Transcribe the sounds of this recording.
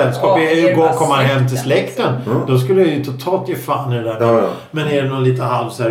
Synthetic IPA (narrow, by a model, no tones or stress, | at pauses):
ɛlskɑːpɛjʏɡoːkʰɔmːanɦɛmt̪ʰɪslɛkt̪ənd̪ɔskɵlːəjɛjɵt̪ʰːʊt̪ʰɑːlt̪jeːfanːɪɛd̪æɾmɛ | mɛnɛɖɛnɔliːt̪əɦalvsæ